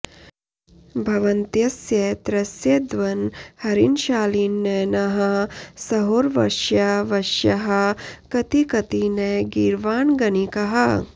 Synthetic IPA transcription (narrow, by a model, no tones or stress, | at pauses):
bʱɐʋɐnt̪jɐsjet̪ɾɐsjed̪ʋɐnhɐɾinʃaːliːnːenɐɦɐsɐɦoːɾʋɐ̰ʃjɐʋɐʃjɐɦɐ̆kɐt̪ikɐt̪ineɡiɾʋaːnɡɐnikɐɦɐ